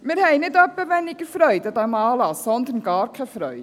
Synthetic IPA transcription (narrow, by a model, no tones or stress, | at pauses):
mɪɾhɛɪnɪdœpːəvɛnːɪɡ̥əɾfɾœʏdɑt̪ɑmɑːlɑssɔnd̪əɾnɡɑːɾkʰɛfɾœʏ